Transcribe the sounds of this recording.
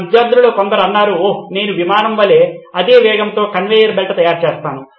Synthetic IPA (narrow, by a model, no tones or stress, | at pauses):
ɐd̪jaːd̪ɾuloːkɔnd̪ɐɾɐnːaːɾune̞ːnuʋimaːnɐmʋɐle̞ːɐd̪e̞ːʋɛːɡɐnt̪oːkɐnʋeːjɐɾbelʈɐt̪ɐjaːɾt͡ʃɛːst̪aːnu